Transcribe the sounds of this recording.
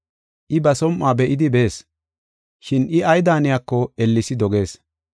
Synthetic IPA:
ʔɪbɐsɔmʔːaːbɛʔɪd̪ɪbe̞ːs | ʃɪnɪɐjd̪aːnɪjakːɔɛlːɪsɪd̪ɔɡe̞ːs

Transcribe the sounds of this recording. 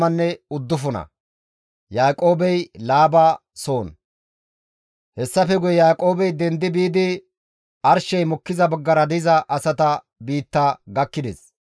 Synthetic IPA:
ɐnːɛʊd̪ːʊfʊnɐ̰ | jaːkʼo̞ːbɛjlaːba | so̞ːn | hɛsːɐfɛɡʊjɛjaːkʼo̞ːbɛjd̪ɛnd̪ɪbiːd̪ɪ | ɐɾʃɛjmɔkːɪzɐbɐɡːɐɾɐd̪ɪzɐʔɐsɐt̪ɐ | biːt̪ːɐɡɐkːɪd̪ɛ̰s

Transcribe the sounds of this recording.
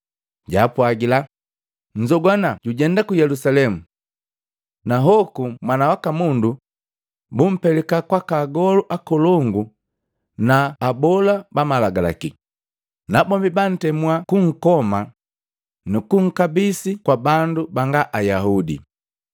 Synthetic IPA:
ɟaːpwaɡila | ɲ̩d͡ʒɔɡwanaɟuɟɛndakujɛlusalɛmu | naɦɔkumwanawakamundu | bum̩pɛlɛkakwakaɡɔluʔakɔlɔŋɡu | naːbɔlabamalaɡala̰ki | nabɔmbiban̩tɛmuakuŋ̩kɔma | nukuŋ̩kabisikwabandubaŋɡaʔajahudḭ

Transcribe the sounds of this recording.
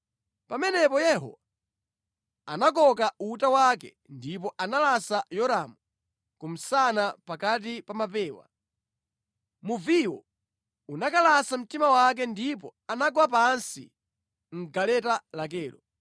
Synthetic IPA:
pamɛnɛpɔjɛɦɔ̰wa | anak̬ɔkautawakɛ̰ | ndip̬ɔʔanalasajɔɾamu | kum̩sanapakat̬ipamapɛːwa̰ | muviwɔ̰ | unakalasam̩timawak̬ɛndip̬ɔanaɡwapansḭ | ŋ̩ɡalɛtalak̬ɛːlɔ

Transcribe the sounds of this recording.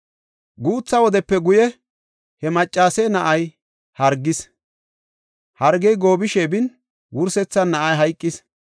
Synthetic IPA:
ɡuːt͡sːɐwɔd̪ɛpːɛɡʊjɛ | hɛmɐt͡ʃʼːaːsɛnɐʔɐj | hɐɾɡɪs | hɐɾɡɛjɡo̞ːbɪʃɛbɪn | wʊɾsɛt͡sːɐnːɐʔɐjɦɐjkʼːɪs

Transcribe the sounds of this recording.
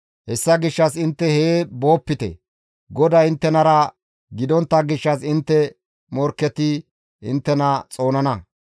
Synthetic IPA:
hɛsːɐɡɪʃːɐsɪnt̪ːɛhebo̞ːpːɪt̪ɛ̰ | ɡɔd̪ɐɪnt̪ːɛnɐɾɐ | ɡɪd̪ɔnt̪ːɐɡɪʃːɐsɪnt̪ːɛ | mɔɾkːɛt̪ɪ | ɪ̰nt̪ːɛnɐt͡sʼo̞ːnɐnɐ

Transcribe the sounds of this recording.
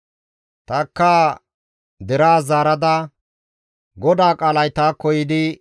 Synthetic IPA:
t̪ɐkːaː | d̪ɛɾaːzaːɾɐd̪ɐ | ɡɔd̪aːkʼaːlɐjt̪aːkːɔjɪd̪ɪ

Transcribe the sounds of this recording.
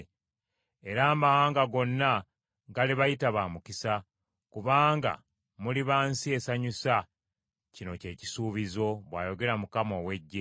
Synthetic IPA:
e̞ɾaːmahaːŋɡaɡo̞nːa | ɡaliβajitaβaːmukisa | kuβaːŋɡa̰ | muliβaːnsie̞saɲusa | cino̞ce̞ːci̥suːβizo̞βwaːjo̞ɡe̞ɾamukamo̞we̞ɟːe

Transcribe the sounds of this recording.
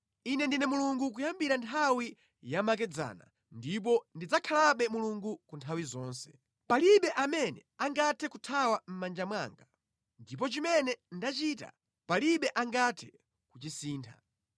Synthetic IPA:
inɛndinɛmuluŋɡuk̬ujambiɾantʰawi | jamak̬ɛd͡za̰ːna̰ | ndip̬ɔndid͡zakʰalaɓɛmuluŋɡukuntʰawizɔːnsɛ̥ | paliɓɛʔamɛnɛ̰aŋɡatʰɛkutʰawam̩mand͡ʒamwa̰ːŋɡa | ndip̬ɔt͡ʃimɛnɛndat͡ʃiːta̰ | paliɓɛʔaŋɡatʰɛ̥ | kut͡ʃisiːntʰa̰

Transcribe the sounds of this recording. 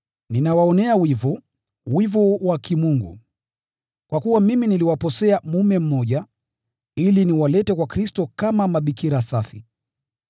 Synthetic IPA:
ninawaɔnɛawivɔ | wivɔwakimuŋɡṵ | kwakuwamiminiliwapɔsɛamumɛm̩mːɔʄa | iliniwalɛtɛkwakɾistɔkamamaɓikiɾasafi

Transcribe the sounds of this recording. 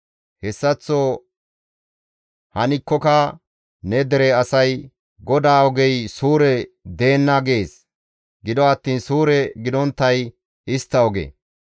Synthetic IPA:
hɛsːɐt͡sːo | hɐnɪkːɔkɐ | nɛd̪ɛɾɛɐsɐj | ɡɔd̪aːɔɡɛjsuːɾɛd̪e̞ːnːɐɡeːs | ɡɪd̪ɔɐt̪ːiːnsuːɾɛɡɪd̪ɔnt̪ːɐj | ɪst̪ːɐɔɡḛ

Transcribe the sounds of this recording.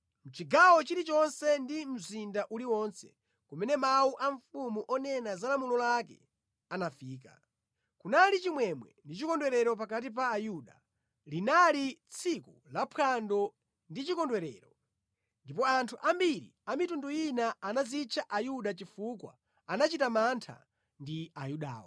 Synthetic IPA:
m̩t͡ʃiɡawɔt͡ʃiɾit͡ʃɔnsɛndim̩zindaʔuliwɔnsɛ̥̰ | kumɛnɛmauʔaɱfumuʔɔnɛnazalamulɔlakɛ̰ | anafiːka̰ | kunalit͡ʃimwɛmwɛ̰ndit͡ʃikɔndwɛɾɛɾɔp̬akat̬ip̬aːjuɗa | linalit͡sʰikulapʰandɔ | ndit͡ʃikɔndwɛɾɛ̰ːɾɔ | ndipɔantʰuʔambiɾḭamitundujinaanazit͡ʃʰaʔajuɗat͡ʃifukwa̰ | anat͡ʃitamantʰa̰ | ndiajuɗa̰ːwɔ̰

